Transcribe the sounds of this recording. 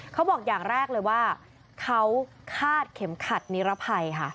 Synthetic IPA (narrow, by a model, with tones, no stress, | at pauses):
kʰa˦˥wbɔː˨˩k̚jaː˨˩ŋɾɛː˥˩k̚lɤː˧jwaː˥˩ | kʰa˦˥w | kʰaː˥˩t̪̚kʰe˩˦mkʰa˨˩t̪̚ni˦˥ɾa˦˥pʰa˧jkʰa˥˩